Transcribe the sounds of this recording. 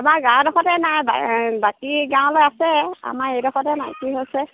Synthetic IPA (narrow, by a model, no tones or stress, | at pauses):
amaɡãdɔxɔtɛnajba̰bakiɡãʊ̃lojasɛa̰maɹejdɔxɔtɛnajkiɦosɛ